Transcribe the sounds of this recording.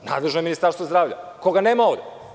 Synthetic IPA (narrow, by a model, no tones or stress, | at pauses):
na̰d̪lˠeʒnoeminist̪aɾst̪vod̪ɾaːvʎa̰koɡaneːmaoʋd̪e